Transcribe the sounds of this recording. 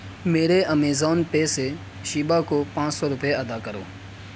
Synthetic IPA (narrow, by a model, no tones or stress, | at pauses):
meːɾeʔəmeːzɔːnpeːse | ʃiːbakoːpãːt͡ʃsɔːɾʊpeəd̪aːkəɾo̰ː